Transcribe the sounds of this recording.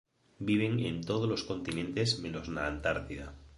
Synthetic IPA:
biβ̞eŋḛnt̪oðozlo̞sko̞nt̪inẽ̞nt̪e̞zmẽno̞znaːnt̪aɾt̪iða

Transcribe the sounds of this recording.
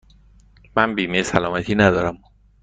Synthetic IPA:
mænbiːmesælɒːmæt̪ʰiːnæd̪ɒːɾam

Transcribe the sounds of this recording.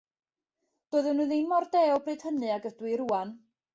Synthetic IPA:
d̥ɔːɨðɨnuðinmɔrdeːɔbrɨːd̥hənɨaɡədwɪɾuːan

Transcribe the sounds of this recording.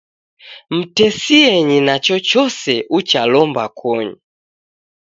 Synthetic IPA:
m̩tɛsiɛɲinat͡ʃɔt͡ʃɔsɛʔut͡ʃalɔmbakʰɔɲu

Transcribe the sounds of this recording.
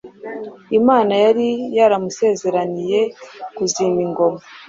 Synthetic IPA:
imaːnajaɾijaɾamuse̞ːze̞ɾanije̞kuziːmiŋɡo̞ma

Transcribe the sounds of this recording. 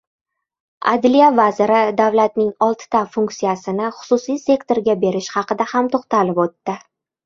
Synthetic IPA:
a̰d̪lijavazɪɾɪd̪avlat̪̚nɪŋɒlˠt̪ʰɪ̥t̪afuŋkt̪sijasɪnɪχʊ̥sʊsijse̞kt̪o̞ɾɡʲabe̞ɾɪʃhɑqɨd̪ahamt̪ʰoχt̪alɪpot̪ːɪ

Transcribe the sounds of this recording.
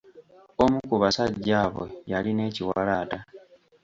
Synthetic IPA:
omukuβasaɟːaːβwe̞̰jaline̞ːciwalaːta

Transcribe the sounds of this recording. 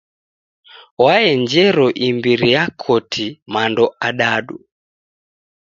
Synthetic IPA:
waɛɲd͡ʒɛɾɔʔimbiɾijakʰɔtʰimandɔʔaɗaɗu

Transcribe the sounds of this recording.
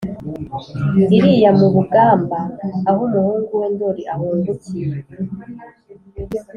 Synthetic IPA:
iɾijamuβuɡaːmbaːhumuhuːŋɡuweːndoɾiʔahuːndukij

